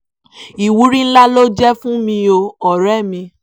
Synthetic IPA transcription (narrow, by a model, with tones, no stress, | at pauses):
i˨wu˨˦ɾĩ˦n̩˦la˦lo˦d͡ʒɛ˦fũ˦mĩ˧o˧ɔ˨ɾɛ˦˨mĩ˧